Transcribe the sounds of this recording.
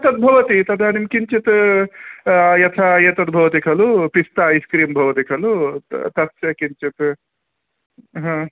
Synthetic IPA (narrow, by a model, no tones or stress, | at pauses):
ɐt̪ɐt̪̚bʱɐʋɐt̪it̪ɐd̪ɐnimkiɲt͡ʃit̪ | jɐt̪ʰajet̪ɐt̪̚bʱɐʋɐt̪̬ikʰɐlupist̪aːiskɾiːmbʱɐʋɐt̪ikʰɐlut̪ɐt̪ɐkiɲt͡ʃit̪ | ɦɐ̃